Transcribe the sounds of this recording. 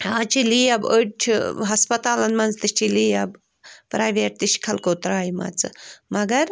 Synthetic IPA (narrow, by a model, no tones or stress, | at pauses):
aːt͡ʃʰiliːɐbət͡ʃʰiɦɐspɐt̪aːlɐnmɐnzt̪ɨt͡ʃʰiliɐb | pɾaːjʋeːʈ̚t̪ɨʃkʰɐlkoːt̪ɾaːimɐ̰t͡sɨ̰mɐɡɐɾ